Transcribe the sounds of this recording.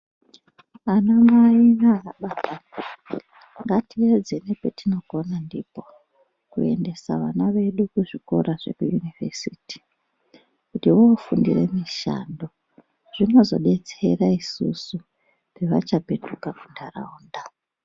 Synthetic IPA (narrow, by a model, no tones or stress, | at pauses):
anamaiʋaraɓaɓa | ŋɡatied͡zenepetino̞ɡo̞nandipo̞ | kue̞nde̞sa̰ʋanaʋe̞ɗukuʐiko̞̰ɾʔaʐ̥e̞̰kujunivesiːti̥ | kutiwoːfundḭrḛmiʃa̰ndo̞ | ʐ̥inozo̞ɓe̞t͡se̞raisṵsu | peʋa̰t͡ʃape̞tukakundara̰uːnda